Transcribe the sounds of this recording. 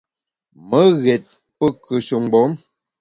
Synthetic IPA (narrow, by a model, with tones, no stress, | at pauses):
mə˦ɣɛ˨t̚ | pə˦˨kə˨ʃu˨ŋɡ͡bɔ˨˦m